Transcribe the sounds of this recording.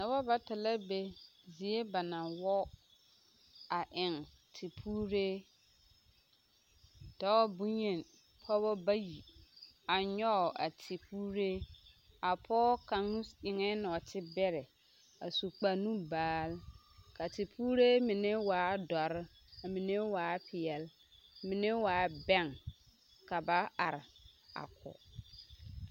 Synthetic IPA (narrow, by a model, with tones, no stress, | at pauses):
na˨bɔ˦ba˨ta˨la˦be˦zi˨e˦ba˨na˨wɔ˦ | a˨ʔɪ˨ŋ | tʰi˨pʰuː˦ɾe˦ | tɔ˦bu˦ɲe˨n | pʰɔ˦bɔ˦ba˦ji˨a˨ɲɔ˦˨a̰˨tʰɪ˨puː˦ɾe˦ | a˨pʰɔː˦ka˨ŋu˦sɪ˨ŋɛ˦nɔ˨tʰɪ˦bɛ˦ɾɛ˨ | a˨su˨k͡pa˨nũ˦baː˨˦l | ka˨tɪ˨pʰuː˦ɾe˦mɪ˨ne˦waː˨˦dɔ˨ɾɪ˦ | a˨mi˨ne˦waː˨˦pʰɪ˨ɛ˨l | mɪ˨ne˦waː˨˦bɛ˦˨ŋ | ka˨ba˦a̰˨ɾɪ˨a̰˨kʰʊ̰˨